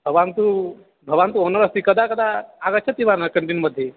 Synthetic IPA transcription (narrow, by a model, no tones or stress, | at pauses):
bʱəɡʋant̪u | bʱəʋant̪̬uonəɾəst̪ikəd̪akəd̪aaɡət͡ɕʰət̪ːiʋanəkəɳʈinməd̪ʱːje